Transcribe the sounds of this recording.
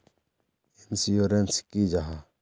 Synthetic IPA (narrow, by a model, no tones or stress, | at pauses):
insijɔɾɛnskid͡ʒaɦa